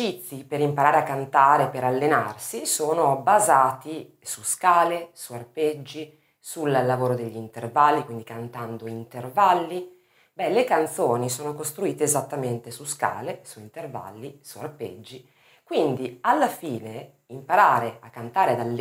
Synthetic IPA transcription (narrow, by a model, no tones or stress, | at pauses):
it̪sːipeɾimpaɾaːɾeakːant̪aːɾepeɾalːenarsisoːnobazaːt̪i | suskaːlesuarped͡ʒːi | sullːavoːɾod̪eʎːint̪ervalːikwind̪ikant̪and̪oint̪ervalːi | bɛlekant̪soːnisoːnokost̪ɾuiːt̪eːzat̪ːament̪esuska̰ːlesuint̪erva̰lːisua̰rpḛd͡ʒːi | kwind̪ialːafiːne | impaɾaːɾeakːant̪aːɾed̪alː